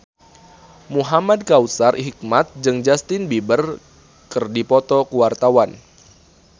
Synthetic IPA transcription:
muɦamad̚kausarʔɦik̚mat̪̚d͡ʒɨŋd͡ʒast̪ɪnbibər | kɨrdipɔt̪ɔkuwart̪awan

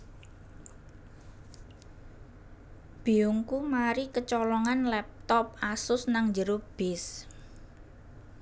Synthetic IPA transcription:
b̥iuŋkumaɾikət͡ʃɔlɔŋanlɛp̚t̪ɔp̚asʊsnaŋɲd͡ʒəɾob̥ɪs

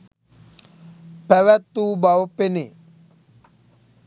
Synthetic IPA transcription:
pɛwɛt̪ːubawopene

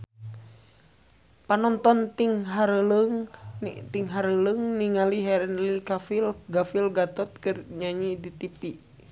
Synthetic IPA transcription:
panɔnt̪ɔnt̪iŋɦaɾələŋt̪iŋɦaɾələŋniŋaliɦɛɾɛnlikafilɡafilɡat̪ɔt̪̚kɨrɲaɲidit̪ipi

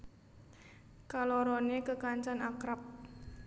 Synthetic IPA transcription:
kalɔɾɔnekəkaɲt͡ʃanakɾap̚

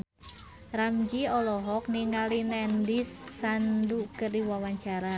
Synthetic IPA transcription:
ramd͡ʒiɔlɔɦɔk̚niŋalinɛndisːandukəriwawaɲt͡ʃaɾa

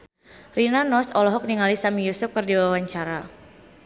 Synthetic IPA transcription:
rinanɔsɔlɔɦɔk̚niŋalisamijusʊf̚kɨrdiwawaɲt͡ʃaɾa

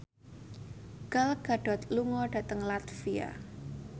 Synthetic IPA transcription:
ɡ̥alɡ̥a̤ɖ̥ɔ̤t̪luŋɔɖ̥a̤t̪əŋlat̪fia̰

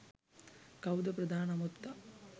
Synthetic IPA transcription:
kɐwd̪ɐpɾɐd̪ʱaːnɐmupt̪ːɐ

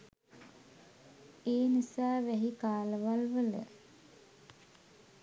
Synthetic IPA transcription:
eːnisaːʋæɦikaːləʋalʋələ̰

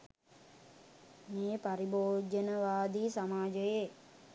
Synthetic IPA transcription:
meːpaɾiboːd͡ʒənəʋaːd̪iːsamaːd͡ʒəje

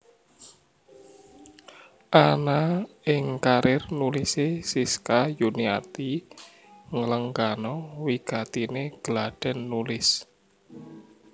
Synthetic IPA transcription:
ʔanaɪŋkaɾʔɪrnulisesiskajunia̰t̪i | ŋələŋɡanɔwiɡ̥at̪ineɡ̥laɖ̥ɛnːulɪs

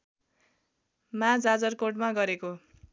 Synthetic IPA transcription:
mãd͡zad͡zʌrkoʈmaɡʌɾeko

